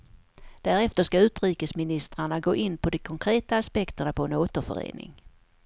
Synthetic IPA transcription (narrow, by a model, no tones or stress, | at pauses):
d̪̥æɾɛft̪əʂkaʉ̟ːt̪ɾiːkəsmɪnɪst̪ɾaɳaɡoːʔɪnːpʰɔd̪ɔkʰɔŋkʰɾeːt̪aːspɛkt̪əɳapʰɔɛnoːt̪əɾfœ̰ɾḛːnɪ̰ŋ